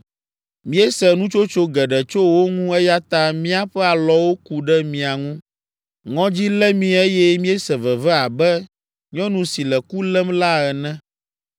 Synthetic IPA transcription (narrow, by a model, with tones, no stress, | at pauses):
mĩ˦ɛ˦sɛ˨nũ˦t͡ʃo˦t͡ʃo˦ɡɛ˨ɖɛ˨t͡ʃo˦wo˦ŋũ˦ɛ˦ja˦t̪a˦mĩ˦a˦ɸɛ˦a˨lɔ˦wo˦ku˨ɖɛ˦mĩ˨a˨ŋũ˦ | ŋɔ̃˦d͡ʑi˦lɛ˦mĩ˨e˦jɛ˦mĩ˦ɛ˦sɛ˨vɛ˨vɛ˦a˨bɛ˦ | ɲɔ̃˦nũ˨si˨lɛ˨ku˦lɛ˦mla˦ɛ˨nɛ̃˦